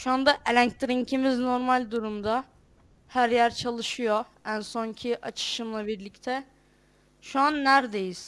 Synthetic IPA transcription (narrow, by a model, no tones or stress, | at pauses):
ʃuand̪aʔelʲæɲct̪ɾiɲcʰimizno̞ɾmalʲd̪uɾumd̪a | hæɾjæɾt͡ʃʰalˠɯʃɯjo | ænso̞ɲcʰiʔat͡ʃʰɯ̥ʃɯmlˠabiɾlʲict̪ʰɛ | ʃuanːæɾd̪e̞jiz̥